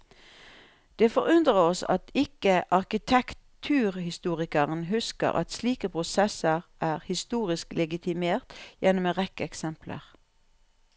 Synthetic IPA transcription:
d̪̥eːfɔʁʉnd̪ʁəɔsɑ̰t̪ɪkəʔɑʁkɪt̪ʰɛkt̪ʰʉːʁhɪst̪uːʁɪkəʁənɦʉskə̰ʁʔɑ̰t̪sliːkəpʰʁʊsɛsəʁʔæːʁhɪst̪uːʁɪsklɛɡɪt̪ʰɪmeːʁt̪jɛnmeːʁɛkəɛksɛmpʰlə̰ʁ

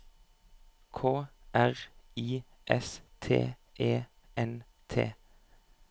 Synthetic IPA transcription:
kʰoːʔæʁiː | ʔɛst̪ʰḛːʔeː | ʔɛn | t̪ʰḛː

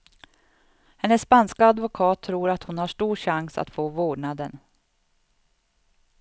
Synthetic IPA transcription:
hɛnːəsːpanskaad̪vʊkʰɑːt̪ʰːɾuːɾat̪hʊnhaʂʈuːɾʂaŋsa̰t̪foːvoːɖɳad̪ən

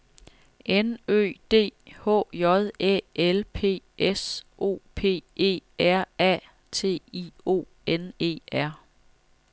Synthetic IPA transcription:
ʔenø̰ːd̥e̝̰ːhɔ̰̽ːjɒ̽ðˠḛelpʰe̝̰ːesʔo̝̰ːpʰe̝̰ːe̝̰ːæɐ̰ɛ̰ | t͡sʰe̝̰ːio̝̰ː | ene̝̰ːæɐ̰

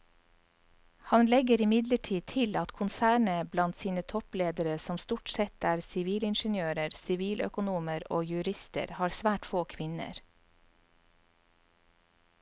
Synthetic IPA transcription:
hɑnlɛɡəɾɪmɪd̪ləʈʰiːt̪ʰɪlɑt̪kʰʊnsæːɳəblɑnt̪siːnət̪ʰɔpleːd̪əɾəsɔmst̪uːʈsɛt̪æːɾsɪʋiːlɪnʃənjøːɾəɾsɪʋiːlʔœ̰kʊnuːməɾo̰ːjʉɾɪst̪ə̰ɾhɑːɾsʋæːʈfoːkʰʋɪnə̰ɾ

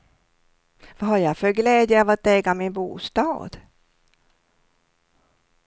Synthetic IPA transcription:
vaɦaɾjafœɾɡlɛːd̪jəavat̪ɛːɡamɪnbṵːst̪ɑ̰ːd̪̥

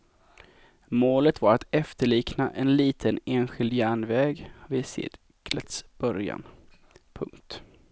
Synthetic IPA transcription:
moːlət̪vaɾat̪ɛft̪əɭiːknaʔɛnliːt̪ʰəneːnɧɪld̪jæːɳvɛːɡhvɪsɪ̰d̪ | kʰlət̪sb̥œɾja̰n | pʰɵŋkt̪

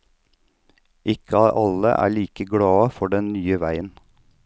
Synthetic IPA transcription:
ʔɪkəɑːʔɑlə̰ʔæ̰ːɭiːkəɡɽɑːfɔɖɛnnyːəʋæɪən

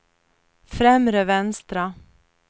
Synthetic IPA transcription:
fɾɛmɾəvɛnst̪ɾa

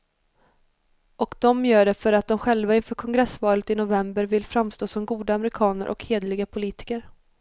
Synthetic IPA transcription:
ʔɔkd̪ɔmjœːɖɛfœɾat̪̚d̪ɔmɧɛlvaɪnfœːkʰɔŋɡɾɛsvɑːlət̪ɪnʊvɛmbəɾvɪlfɾamst̪oːsɔmɡuːd̪aamɛɾɪkʰɑːnəɾʔɔ̰kheːd̪lɪɡapʰʊliːt̪ɪ̥kəɾ

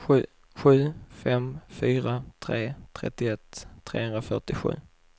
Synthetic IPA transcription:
ɧʉ̟ː | ɧʉ̟ːfɛmfyːɾat̪ʰɾeːt̪ʰɾɛ̰t̪ːɪɛt̪ʰːɾḛːhɵnd̪ɾafœʈɪɧʉ̟ː

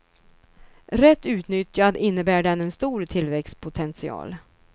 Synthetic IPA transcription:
ɾɛt̪ːʉ̟ːt̪nʏt̪jad̪ɪnːəbæːɖɛnɛnst̪uːɾt̪ʰɪlvɛkspʰʊt̪ʰɛnsɪɑ̰ːl

